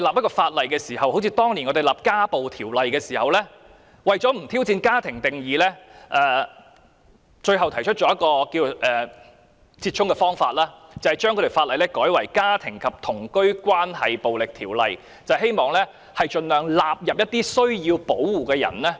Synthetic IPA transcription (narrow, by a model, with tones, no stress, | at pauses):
ɔ˧˥˨laː˨p̚jkɔː˧faː˧t̚lɐ˨jkɛː˧siː˨˩hɐ˨who˨˥wt͡sʰiː˨˧t̪ɔː˥ŋliː˨˩nŋɔ˨˧d̪e˨jlaː˨p̚kaː˥po˨wt̪ʰiː˨˩wlɐ˨jkɛː˧siː˨˩hɐ˨wlɛː˥ | wɐ˨˩jt͡sɔː˨˥m̩˨˩t̪ʰiː˥wt͡siː˧nkaː˥t̪ʰɪ˨˩ŋt̪ɪ˨ŋjiː˨lɛ˥ʔɛː˧ | t͡ʃɵ˧ɥɦɐ˨wt̪ʰɐ˨˩jt͡ʃʰt̚t͡ʃɔː˨˥jɐ˥t̚kɔː˧kiː˧wʔɛː˨ | t͡siː˧t̚t͡ʃʰʊ˥ŋkɛ˧fɔː˥ŋfaː˧t̚laː˥t͡sɐ˨˩hɐ˨jt͡ʃœː˥ŋʰɵ˧ɾe˨˩faː˧t̚lɐ˨jlɛ˥kɔː˨˥jwɐ˨˩jkaː˥t̪ʰɪ˨˩ŋkʰɐ˨p̚t̪ʰʊ˨˩ŋkɵ˥ɥkwaː˥nhɐ˨jpo˨wlɪ˨k̚t̪ʰiː˨˩wlɐ˨j | t͡sɐ˨wɦe˥jmɔː˨ŋlɛː˥ | hɐ˨jt͡ʃɵ˧nlœː˨ŋlaː˨p̚jɐ˨p̚jɐ˥t̚t̪iː˥sɵ˥ɥjiː˧wpo˨˥wːuː˨˩kɛː˧jɐ̰˨˩nlɛː˥